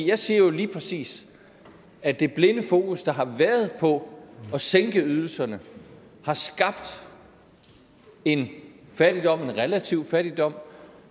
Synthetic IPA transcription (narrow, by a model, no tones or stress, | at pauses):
jɑ̈ɪse̝ɐ̰jo̝liːpʰʁɛsḭːs | æd̥e̝b̥le̝nəfo̝ːkusd̥ɑ̈ɦɑ̈ʋæɐðˠpʰɒ̽ɒ̽seŋɡ̥əyð̞ˠl̩sɐnə | hɑ̈sɡ̥ɑ̈b̥̚d̥ | e̝nfæd̥id̥ɒ̽m̰e̝nʁɛlæt͡sʰiʊ̰fæɾ̥id̥ɒ̽m̰